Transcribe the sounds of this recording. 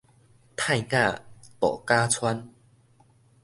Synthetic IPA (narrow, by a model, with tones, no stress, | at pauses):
t̪ʰa˥˧jkã˥˧t̪ɔ̰˨˩ka˦t͡sʰwa˦n